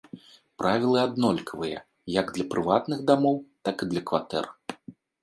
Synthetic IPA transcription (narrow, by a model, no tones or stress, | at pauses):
pɾʔavʲilˠɨad̪nɔlʲkvɨjɐ̰ | jaɡd̪lʲɐpɾɨvat̪nɨɣd̪amɔwt̪akɨd̪lʲɐkva̰t̪ɛ̰r